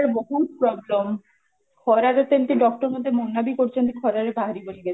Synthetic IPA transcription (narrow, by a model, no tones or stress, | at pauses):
ɾboɦut̪̚pɾɔblom | kʰɔɾaɾet̪enʈiɖɔk̚ʈoɾmod̪ʱemonːabikoɾt͡ɕʰent̪ikʰɔɾaɾebaɦaɾiboniɡɛ